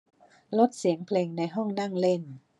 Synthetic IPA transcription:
lo˦˥t̪̚si˩˦əŋpʰleː˧ŋna˧jɦɔ˥˩ŋna˥˩ŋle˥˩n

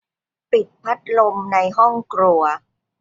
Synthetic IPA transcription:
pi˨˩t̪̚pʰa˦˥t̪̚lo˧mna˧jɦɔ˥˩ŋkɾu˧ɐ

